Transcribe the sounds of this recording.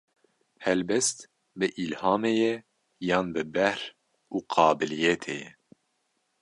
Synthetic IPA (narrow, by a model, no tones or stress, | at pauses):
hɛlbɛst̪ | bɨʔilhɑːmejɛ | jɑːnbɨbɛhɾ | uːqʰɑːbɨlijɛt̪ʰejɛ